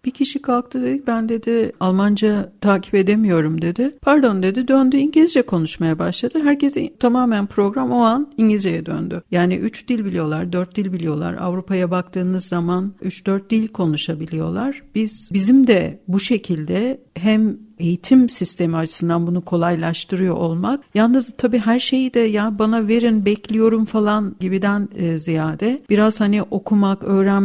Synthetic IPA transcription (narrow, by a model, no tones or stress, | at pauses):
b̥icʰiʃikʰalˠk̚t̪ʰɯd̪e̞d̪icbænd̪e̞d̪ɪalˠmand͡ʒat̪ʰaːcʰi̥pe̞d̪emijo̞ɾumd̪e̞d̪ɪpʰaɾd̪o̞nd̪e̞d̪id̪ø̞nd̪yiɲɟilʲizd͡ʒɛkʰo̞nuʃmajabaʃlˠad̪ɯɦæɾcezt̪ʰamaːmænpʰɾo̞ɡɾamo̞aniɲɟlʲizd͡ʒejɛd̪ø̰nd̪ʏjaːnḭʔyt͡ʃd̪ilʲbilʲijo̞lˠaɾd̪øɾt̪̚d̪ilʲbilʲijo̞lˠa̰ɾa̰vɾupʰajabak̚t̪ʰɯːnɯzːamanyt͡ʃd̪øɾt̪̚d̪ilʲkʰo̞nuʃabilʲijo̞̰lˠaɾ̥b̥iz̥bizimd̪ɛbuʃe̞cʰilʲd̪ɛɦæme̞jit̪ʰimsist̪ʰe̞miat͡ʃʰɯ̥sɯnd̪anbunukʰo̞lˠajlˠaʃt̪ʰɯɾɯjo̞̰ʔolˠmakjalˠnɯzt̪ʰabiːɦæɾʃe̞jid̪ɛjabanave̞ɾinbɛclʲijo̞ɾumfalˠanɟibid̪ænːzijaːd̪ɛb̥iɾaz̥haniʔo̞kʰumakø̞ːɾæn